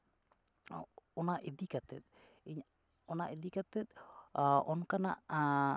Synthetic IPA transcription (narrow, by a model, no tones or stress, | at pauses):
ɔnaʔed̪ikat̪ɛt̪̚ | iɲ | ɔnaʔed̪ikat̪ɛt̪̚ʔɔnkana̰ʔ